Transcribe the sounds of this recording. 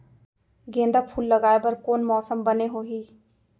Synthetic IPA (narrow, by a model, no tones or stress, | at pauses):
ɡẽːnd̪apʰuːlːəɡaːebɐɾkoːnmɔːsəmbəneɦoːɦiː